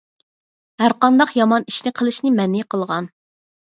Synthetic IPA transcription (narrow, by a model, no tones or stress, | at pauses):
hæɾqɑnd̪ɑqjɑmɑni̥ʃnɪqʰəlˠɨʃnɪmɛnːɪqʰəlˠʁɑn